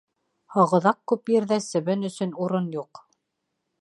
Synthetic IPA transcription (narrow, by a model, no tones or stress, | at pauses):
hɑʁɤ̆ðɑqkʉpjɘ̆ɾðæsɘ̆βɘnɵ̆sɵ̆nuɾɤnjuq